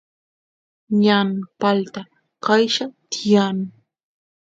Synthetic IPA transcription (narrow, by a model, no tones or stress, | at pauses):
ɲanpalt̪a | kajʃat̪ɪjaŋ